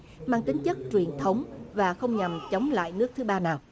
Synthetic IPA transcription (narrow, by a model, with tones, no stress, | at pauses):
maː˧ŋt̪ï˨˦ŋ̟t͡ɕə˦˥k̚t͡ɕwi˨˩ənt̪ʰə˨˦wŋ͡mvaː˨˩xə˧wŋ͡mɲa˨˩mt͡ɕə˨˦wŋ͡mla̰ː˧˨jnɨ˦˥ək̚t̪ʰɨ˨˦ɓaː˧naː˨˩w